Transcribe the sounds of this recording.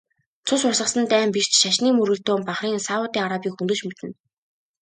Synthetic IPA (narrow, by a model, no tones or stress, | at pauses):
t͡sʰʊsʊrsə̆sə̆nt̪æːmpirt͡ɕʃaʃniːmɵɾɣɵ̆ɮt̪oːmpaχriːŋsaʊt̪iːŋaɾapiːkxɵnt̪ɵ̆t͡ɕmet̪ɘ̆n